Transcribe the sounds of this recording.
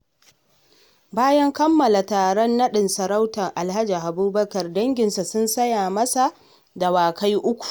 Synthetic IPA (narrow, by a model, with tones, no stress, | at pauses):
baː˦jɐ˦ŋkɐ˦mːɐ˨la˨taː˨ɾɔ˦nːɐ˦ɗɪ˨nsɐ˨ɾa˦wtɐ˨ŋʔa˨lɦa˦d͡ʒi˨ʔa˨buː˦bɐ˦kɐ˨rdɐ˦ŋɡʲɪ˨nsa˨sʊ˦nsɐ˦jaː˨mɐ˦sa˨ | da˨waː˨ka˦jʔʊ˦kʷu̥˨